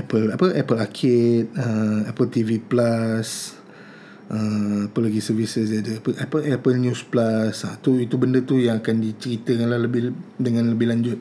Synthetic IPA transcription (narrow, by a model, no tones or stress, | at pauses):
ɛpəlapəʔɛpəlakʰɪt̪̚əɛpəlt̪iviplas | ʔəapəlaɡisərvisəsdadəapəʔapəʔɛpəlnjusplasat̪uit̪ubəndət̪ujaŋakandit͡ʃəɾit̪əkanlaləbɪdəŋãnləbɪhlaɲd͡ʒʊt̪̚